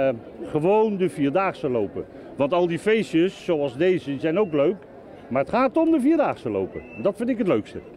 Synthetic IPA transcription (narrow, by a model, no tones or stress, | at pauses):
χəʋowndəviːɹdaːχsəlowpə̰ | ʋɑntɑlˠdifejsjəsːowɑlˠzdejzəzɛjnowkløɥk | maːɹətχaːtɔmdəviːɹdaːχsəlo̰wpə̰ɛndɑtfɪndɪkɦətløɥkstə